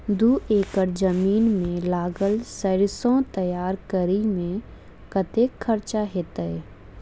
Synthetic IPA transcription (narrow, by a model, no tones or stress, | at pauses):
d̪uːʔeːkəɾd͡ʒəmiːnmẽlaːɡəlsəɾɪsõt̪əjaːɾkəɾimẽ | kɐt̪eːkʰːəɾt͡ʃaɦeːt̪əɛ